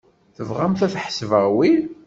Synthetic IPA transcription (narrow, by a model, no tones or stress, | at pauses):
θəvʁæmθæθħə̥svæwi